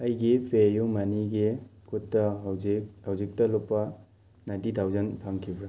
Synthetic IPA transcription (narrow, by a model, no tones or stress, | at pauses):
ɐjɡipejumaniɡikutːɐɦhawzik̚tɐlopːɐ | najntitʰawzɐnpʰaŋkʰibɾa